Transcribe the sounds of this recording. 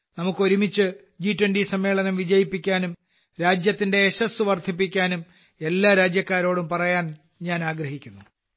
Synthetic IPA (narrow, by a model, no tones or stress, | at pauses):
nɐmukːɨo̞ɾumit͡ɕːɨ | d͡ʑiːtːwɐndisɐmːe̞ːɭɐnɐmʋid͡ʑɐjipːikʲːaːnum | ɾaːd͡ʑjɐt̪ːinde̞ːɕɐsɨʋɐrd̪ʰʱip̬ːikʲːaːnum | e̞lːaːɾaːd͡ʑjɐkːaːɾo̞ːɽumpɐrɐjaːn | ɲaːnaːɡɾɐɦikʲːunːu